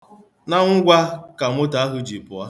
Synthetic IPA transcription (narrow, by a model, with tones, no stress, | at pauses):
na˦ŋ̩˦ɡʷa˦ka˨m˦ʊ˦ta˨a˦ɦʊ˦d͡ʒi˨pʊ˨a˦